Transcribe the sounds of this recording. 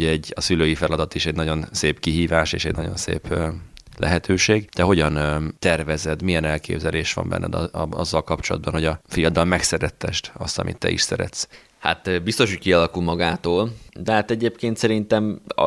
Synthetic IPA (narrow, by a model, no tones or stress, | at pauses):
ɛɟːɒsyløːjifɛlɒd̪ɒt̪iʃɛɟnɒɟo̞nseːpkiɦiːvaːʃḛːʃɛɟnɒɟo̞̰nsḛːpːlɛ̰ɦɛt̪ʰøːʃeːɡd̪̥ɛɦo̞ɟɒnt̪ɛrvɛzɛd̪mijɛnɛlkḛːbzɛleːʃʋɒ̰mbɛ̰nːɛ̰d̪ɒ̰zːɒlkɒpt͡ʃo̞lɒ̰d̪̚bɒnɦo̞ɟɒfijɒd̪ɒlmɛksɛɾɛt̪ːɛʃt̪ɒst̪ɒ̰mʔḭt̪ːɛ̰ḭʃsɛɾɛ̰t̪s | ha̰t̪bist̪oʃhockiɒlɒkulmɒɡaːt̪oːld̪ɛɦat̪ɛɟeːpkeːnt̪sɛɾint̪ɛm